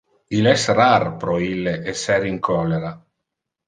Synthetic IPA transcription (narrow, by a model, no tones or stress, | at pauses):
ilɛsrarpɾɔilːeesɛɾiŋkʰɔlːeɾa